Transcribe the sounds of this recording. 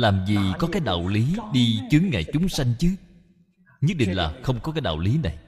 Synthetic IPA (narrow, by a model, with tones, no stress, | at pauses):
laː˨˩mzi˨˩kɔ˨˦kaː˨˦jɗa̰˨˩wli˨˦ɗi˧t͡ɕɨ˨˦əŋŋa̰ː˨˩jt͡ɕʊ˨˦ŋ͡msa˧jŋ̟t͡ɕɨ˨˦ | ɲə˦˥ɗḭ˧˨ŋ̟laː˨˩xə˧wŋ͡mkɔ˨˦kaː˨˦jɗa̰˨˩wli˨˦na˨˩j